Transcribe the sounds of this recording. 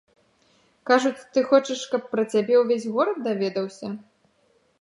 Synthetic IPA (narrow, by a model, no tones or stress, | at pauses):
kaʐut͡sʲt̪ɨxɔt͡ʂɐʂkɐpːɾɐt͡sʲabʲɛwvʲesʲɣɔɾɐt̪̚d̪avʲɛd̪ɐwsʲɐ